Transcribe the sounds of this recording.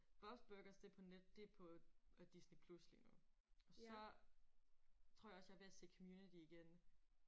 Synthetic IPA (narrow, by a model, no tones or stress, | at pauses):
b̥ɒ̥̽sb̥øɡ̥ɐsd̥e̝pʰɒ̽ned̥ːe̝pʰɒ̽d̥isnipʰluslḭnu | ɒ̽sɒ̽ | t͡sʰʁo̝ɐjɒsjɑhʋe̝æse̝̰ːkʰɒ̽mjuːnid̥iːɡ̥en